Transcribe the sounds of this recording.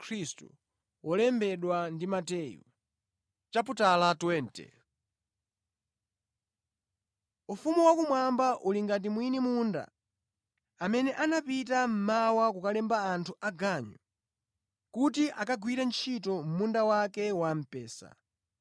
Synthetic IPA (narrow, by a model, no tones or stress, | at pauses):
kʰɾistṵ | wɔlɛmbɛɗwandimatɛjṵ | t͡ʃap̬utalatwɛːntɛ̰ | ufumuwakumwambaʔuliŋɡat̬imwinimunda̰ | amɛnɛʔanapitam̩mawakukalɛmbaːntʰuaɡaɲu | kutiʔakaɡwiɾɛnt͡ʃʰitɔm̩mundawakɛwam̩pɛːsa̰